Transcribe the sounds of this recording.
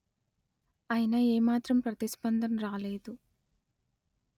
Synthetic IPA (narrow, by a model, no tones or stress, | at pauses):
ɐjɐnɐeːmaːt̪ɾɐmpɾɐt̪isbɐnd̪ʱɐnɾaːleːd̪u